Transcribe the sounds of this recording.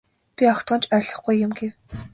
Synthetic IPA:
pʲiɔkt̪ɢə̆nt͡ɕʰœːɮɞ̆χɡujːʊmɡew

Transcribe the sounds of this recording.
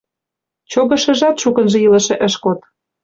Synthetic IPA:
t͡ɕoɣɤ̆ʃə̆ʒɑt̪ʃukə̆nʒĕjilə̆ʃĕʔə̆ʃkot̪̚

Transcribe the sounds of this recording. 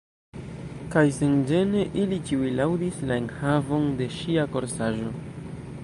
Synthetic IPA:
kajsend͡ʒe̞ne̞ʔilit͡ʃiwilawdislae̞nhavo̞nde̞ʃiako̞ɾsaʒo̞

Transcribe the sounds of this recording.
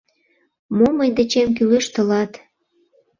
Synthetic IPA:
moməjd̪ĕt͡ɕemk̬ylĕʃt̪ə̆lɑt̪

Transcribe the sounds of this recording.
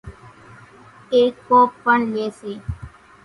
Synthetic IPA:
eːkːoːpːəɳleːseː

